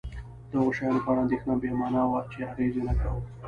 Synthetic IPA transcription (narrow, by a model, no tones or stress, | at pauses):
d̪əaɣoʃajɑnopəaɽaːnd̪exnabemɑnawat͡ʃeaɣezjonakawə